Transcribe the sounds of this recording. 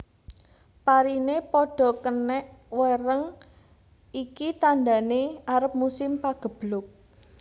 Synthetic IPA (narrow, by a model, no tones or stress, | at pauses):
paɾinepɔɖ̥ɔ̤kənɛʔwəɾəŋ | ikit̪and̪a̤neaɾəp̚musɪmpaɡ̥ə̤b̥lʊk̚